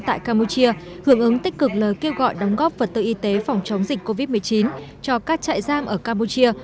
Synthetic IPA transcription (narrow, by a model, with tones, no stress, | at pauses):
t̪a̰ː˧˨jkaː˧mu˧t͡ɕi˧ə | hɨ˧˩əŋʔɨ˨˦ŋt̪ï˦˥k̟kɨ˨˩k̚ləː˨˩jke˧wɣɔ̰˧˨jɗɔ˨˦wŋ͡mɣɔ˦˥p̚və˨˩t̚t̪ɨ̰˧ʔi˧t̪e˨˦fa˨˩wŋ͡mt͡ɕə˨˦wŋ͡mzï˨˩k̟kːo˧vi˦˥t̚mɨ˨˩ət͡ɕi˨˦nt͡ɕɔ˧kaː˦˥k̚t͡ɕa̰ː˧˨jzaː˧mʔəː˧˩kaː˧mu˧t͡ɕi˧ə